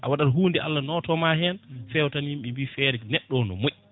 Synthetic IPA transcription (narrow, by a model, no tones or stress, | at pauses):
ʔa̰waɗaɾɦuːndɛʔa̰lːanɔtɔmaɦɛnfɛwtanimɓɛmbifɛɾɛnɛɗːɔnɔ̰moʔi